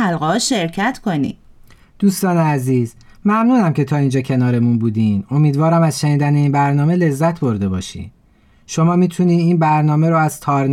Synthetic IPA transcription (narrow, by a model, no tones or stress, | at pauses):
ælɣɒːʃe̞ɾcʰæt̪ʰkonḭ̥ | d̪̥uːst̪ɒːneæziːz̥mæmnuːnæmcʰe̞t̪ʰɒːind͡ʒɒːcʰe̞nɒːɾe̞munbuːd̪iːno̞miːd̪vɒːɾæmæzʃeniːd̪æneiːnbæɾnɒːme̞le̞zːæt̪ʰbo̞ɾd̪e̞bɒ̰ːʃḭ̥ː | ʃo̞mɒːmiːt̪ʰuniːd̪iːnbæɾnɒːmeɾoæz̥t̪ʰɒːɾn